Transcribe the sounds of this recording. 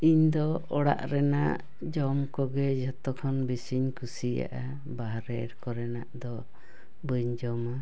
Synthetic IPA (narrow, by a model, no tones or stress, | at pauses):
iɲd̪ɔɔɽa̰ʔɾɛnaʔʔ | d͡ʒɔmkɔɡɛd͡ʒɔt̪ɔkʰɔnbisiɲkʰusija̰ʔa | baɦɾɛɾkɔɾɛnaʔd̪ɔ | bəɲd͡ʒɔma